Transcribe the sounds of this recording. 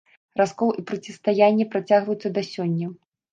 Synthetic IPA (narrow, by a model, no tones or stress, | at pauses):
raskɔlˠipɾɐt͡sʲɛst̪ajanʲːɛpɾat͡sʲaɣvɐjut̪sːɐd̪asʲɔnʲːɐ